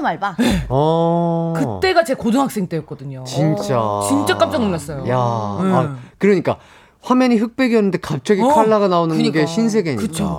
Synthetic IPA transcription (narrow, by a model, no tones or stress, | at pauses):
maɭbaeʌkɯt͈e̞ɡat͡ɕekodɯŋɦaks͈e̞ŋt͈wejʌk̚k͈ʌdɯɲot͡ɕint͡ɕ͈at͡ɕint͡ɕ͈ak͈ap̚t͡ɕ͈anmuɭːas͈ʌjojaː | kɯɾʌɲik͈a | ɸwamjʌɲiɸɯk̚p͈eɡiɦʌnːɯnde̞kap̚t͡ɕ͈ʌɡikʰaɭːaɡanaonɯnkɯɡeɕʰins̬ʰe̞ɡeɲiɯt͡ɕʰo